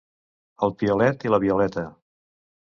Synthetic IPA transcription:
əlˠpiulɛt̪iləβiulɛt̪ə

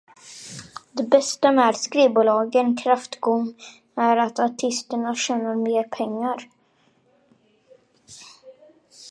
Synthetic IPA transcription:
d̪ɛbɛst̪amɛæɾskɾiːbʊːlɑːɡənkʰɾaft̪ɡɔŋː | æɾat̪aʈʰɪst̪əɳaɕɛːnəɾmeːɾpʰɛŋːaɾ

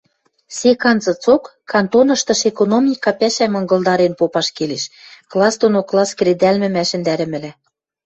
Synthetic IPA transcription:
sʲekɑnzɤ̆t͡sokːɑnt̪onɤ̆ʃt̪ɤ̆ʃekonomnʲikːɑpæʃæmɤ̆ŋɡɤ̆lˠd̪ɑɾenpopɑʃkeleʃklˠɑsd̪onoklˠɑskɾed̪ælmɘ̆mæʃɘ̆nd̪æɾɘ̆mɘ̆læ

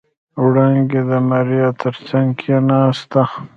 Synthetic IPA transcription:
uɽaŋɡed̪əmaɾijat̪ʰəɾt͡ʃaŋkʰjenast̪a

